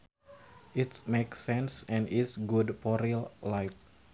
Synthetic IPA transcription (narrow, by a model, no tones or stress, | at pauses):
ʔitmeksɛ̃nsɛ̃nɪsɡudpɔɾillajf̚